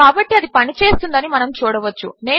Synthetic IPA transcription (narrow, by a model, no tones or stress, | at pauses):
aːbɐʈːiɐd̪ipɐnit͡ʃe̞ːst̪und̪ɐnimɐnɐmt͡ʃuːɽɐʋɐt͡ʃːṵne̞ː